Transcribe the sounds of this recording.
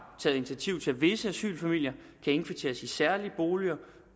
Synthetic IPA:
t͡sʰɛ̰ːð̩ˠi̝nit͡sʰiæɐt͡sʰiʊt͡sʰe̝ʋe̝səæsy̰ːlfæmil̰jɐ | kʰæe̝nfit͡sʰe̝ːɐsisæɐliəb̥o̝ːliɐ

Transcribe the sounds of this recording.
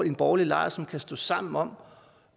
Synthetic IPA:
e̝nb̥ɒːlilɑ̈ɪɐsɒ̽mkʰæsd̥ɔ̰̽ːsɑ̈m̰n̩ɒ̽m̰

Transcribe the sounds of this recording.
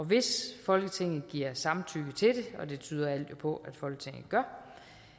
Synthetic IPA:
ɒ̽ʋe̝sfɒ̽lɡ̥ət͡sʰe̝ŋ̰n̩ˠɡ̥iɐ̰sɑ̈mt͡sʰyɡ̥ət͡sʰe̝d̥e̝ɒ̽d̥e̝t͡sʰy̰ːðˠɐæl̰d̥jo̝pʰɒ̽æd̥fɒ̽l̰ɡ̥ət͡sʰe̝ŋ̰nð̩ˠɡ̥ɶɐ

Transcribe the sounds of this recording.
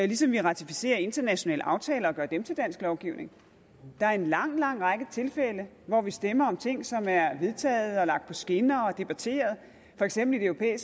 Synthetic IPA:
lisɒ̽mʋiʁɑ̈t͡sʰifise̝̰ːɐe̝nd̥ɐnæɕo̝nɛ̰ːləʔɑ̈ʊt͡sʰɛ̰ːlɐɒ̽ɡ̥ɶːɐd̥emt͡sʰe̝ld̥æn̰sɡ̥lɒʊɡ̥iʊne̝ŋ | d̥ɑ̈æɐe̝nlɑ̈ŋ̰lɑ̈ŋ̰ʁɑɡ̥ət͡sʰe̝lfelə | ʋɒʋisd̥emɐɒ̽mt͡sʰe̝ŋ̰sɒ̽mæɐʋe̝ð̞ˠt͡sʰɛ̰ːð̞̩ˠɒ̽lɑ̈ɡ̥̚d̥pʰɒ̽sɡ̥e̝nɐːɒ̽d̥e̝b̥æt͡sʰe̝̰ːɐð̞̩ˠ | fɒ̽eɡ̥semb̥l̩ideøʊʁpʰḛːis

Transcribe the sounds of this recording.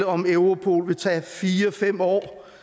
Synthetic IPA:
əɒ̽meʊʁo̝pʰo̝̰ːlʋe̝t͡sʰɛ̰ːfiːɐɒfem̰ɒ̰ː

